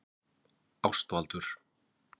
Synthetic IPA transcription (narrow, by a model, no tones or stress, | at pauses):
awst̪alt̪ʏɾ̥